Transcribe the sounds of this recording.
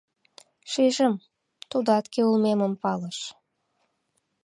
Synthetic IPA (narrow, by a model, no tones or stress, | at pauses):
ʃiʒəm | t̪ud̪ɑt̪keulmeməmpɑləʃ